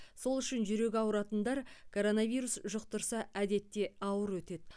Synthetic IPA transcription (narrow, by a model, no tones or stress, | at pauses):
so̞lˠʏʃɪnʒʏɾe̞ɡʲɑwɾɑt̪ənd̪ɑɾkʰo̞ɾo̞nɑvʲijɾusʒʊq̚t̪əɾsɑæd̪e̞t̪ːe̞ɑwəɾwɵt̪e̞d̪